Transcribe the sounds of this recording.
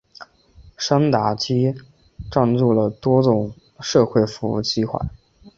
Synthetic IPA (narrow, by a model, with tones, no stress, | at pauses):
ʂa˥ŋt̪a˨˩˦t͡ɕi˥ | ʈ͡ʂa˥˧nt͡su˥˩lə˩t̪wɔ˥t͡sʊ˨˩ŋ | ʂɤ˥˧xwe˥˩ɪfu˧˥ṵ˥˩t͡ɕi˥xwa̰˥˩ɪ